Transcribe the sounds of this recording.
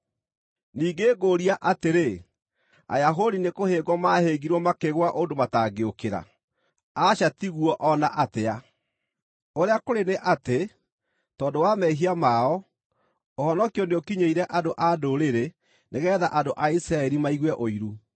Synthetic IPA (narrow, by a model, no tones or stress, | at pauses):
niːɡeːɡoɾiaʔateɾe | a̰jaɦodinekoheːɡwɔmaheɡiɾwɔmakeɣwaʔondomataːɡeokeɾa̰ | aɕatiɣuɔʔɔnaʔatea | oɾeakoɾeneʔate | tɔːndowamɛɦiamaɔ | ohɔnɔkiɔneokiɲeiɾɛʔadoʔadoɾeɾe | neɣɛːðaʔadoʔaisɾaɛɾimaiɣwɛʔoiɾu